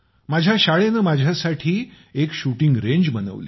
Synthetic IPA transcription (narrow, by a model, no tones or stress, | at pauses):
mad͡ʑʱjaɕaɭenəːmad͡ʑʱjasaʈʰiː | ekɕuʈiŋɡɾeɲd͡ʑbənə̰ʋli